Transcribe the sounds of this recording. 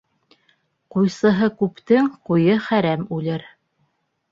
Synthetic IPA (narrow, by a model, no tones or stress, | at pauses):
qujsɤ̆ɦɤkʉpt̪ɘŋqujɤχæɾæmʉlɘɾ